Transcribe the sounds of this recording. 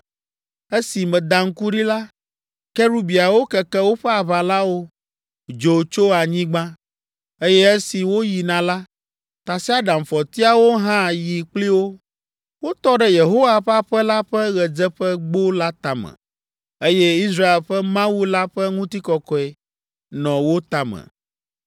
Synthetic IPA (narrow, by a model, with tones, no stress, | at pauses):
e˦si˨mɛ̃˨d̪ã˨ŋ̩˦ku˦ɖi˦la˦ | kɛ˦ɾu˦bi˨a˨wo˦kɛ˨kɛ˦wo˦ɸɛ˦a˨βa˨la˦wo˦ | d͡ʒo˨t͡ʃo˦a˨ɲĩ˦ɡ͡bã˦ | e˦jɛ˦e˦si˨wo˦ji˨nã˨la˦ | t̪a˨si˦a˦ɖã˨m˨fɔ˨t̪i˦a˨wo˦ɦã˦˨ji˨k͡pli˦wo˦ | wo˦t̪ɔ˦ɖɛ˦je˨ɦo˦wa˨ɸa˦ɸɛ˦la˦ɸɛ˦ɣɛ˨d͡zɛ˦ɸɛ˦ɡ͡bo˦la˦t̪a˨mɛ̰̃˨ | e˦jɛ˦i˦s̬ɾa˦e˨lɸɛ˦mã˦wu˦la˦ɸɛ˦ŋũ˦t̪i˦kɔ˨kɔ˦ɛ˨ | nɔ̃˨wo˦t̪a˨mɛ̰˨